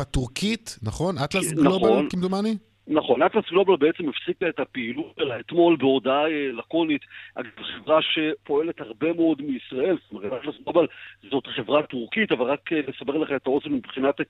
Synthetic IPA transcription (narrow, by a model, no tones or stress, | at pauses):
atuʁkitnaχo̞nʔat̪lasɡlnoalnkimd̪umani | naχo̞nat̪lasɡlo̞balbeet͡semefsikaetapeilutelaet̪mo̞lbeodaaelako̞nitʔa̰ɡavχevʁaʃe̞po̞e̞le̞thaʁbe̞meo̞dmiisʁae̞lstome̞ʁtatlasɡlo̞balzo̞tχe̞vʁatuʁkitavalʁakelesabe̞ʁleχemetao̞senmibχinat